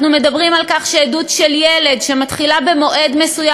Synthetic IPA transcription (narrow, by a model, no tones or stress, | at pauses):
nume̞d̪abʁimalkaχʃeːdutʃeljele̞dʃemat̪χilabe̞mo̞ʔe̞d̪me̞suja